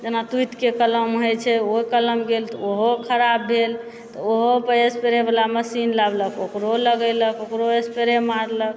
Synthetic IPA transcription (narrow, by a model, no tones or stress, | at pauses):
d͡ʒenat̪ut̪kekələmɦojt͡ʃʰɛokələmɡelt̪ɔoɦokʰəɾabːel | t̪ɔoɦopəespeɾebelaməsinlabləkokɾoləɡələkokɾoespeɾemaɾlək̚